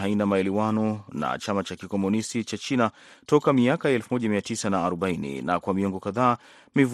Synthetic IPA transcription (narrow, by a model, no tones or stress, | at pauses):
ɦainamaɛlɛwanɔna̰t͡ʃamat͡ʃakikɔmɔnistit͡ʃat͡ʃina | tɔkamiakajaɛlfumɔʄamiatisanaːɾɔɓainḭna̰kwamiɔŋɡɔkaðaː | miv